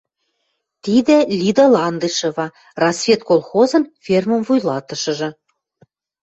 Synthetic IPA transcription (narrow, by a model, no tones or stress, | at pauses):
t̪id̪ɘ̆lʲid̪ɤlɑnd̪ɤʃɤ̆βɑ | rɑsvʲet̪̚kolˠxozɤ̆nfʲermə̆mvujlɑt̪ɤ̆ʃɤ̆ʒɤ̆